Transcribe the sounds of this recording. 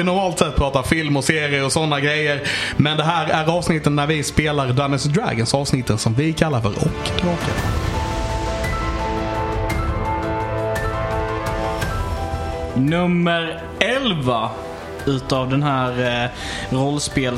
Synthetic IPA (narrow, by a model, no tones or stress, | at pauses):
ɪnɔɾmɑːlt̪sɛt̪̚ːpʰɾɑːt̪afɪlmɔseːɾɪəɾɔsɔnːaɡɾɛjːəɾmɛnd̪ɛɦæːɾæɾɑːvsnɪt̪ːənːæɾvɪspeːlaɾd̪anɪsd̪ɾæ̰ɡənsɑːvsnɪt̪ʰːənsɔmvɪkʰalːaɾfœ̰ɾʔɔ̰kːt̪ʰɪlbɑːka̰ | nɵmːəɾ | ɛlva | ʉ̟ːt̪avd̪ɛnɦæːɾ | ɾɔlːspeːl